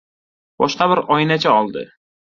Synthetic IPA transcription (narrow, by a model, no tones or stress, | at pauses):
b̥ɒʃqɑbɪɾɒjnat͡ʃʰaɒlˠd̪ɪ̰